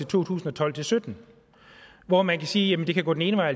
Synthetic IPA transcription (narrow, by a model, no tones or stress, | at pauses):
e̝t͡sʰo̝̰ːt͡sʰṵːsn̩ɒt͡sʰɒ̽l̰t͡sʰe̝lsød̥n̩ | ʋɒmænkʰæsiːjæmənd̥e̝kʰæɡɔ̰ːd̥eneːnəʋɑ̈ɪ̰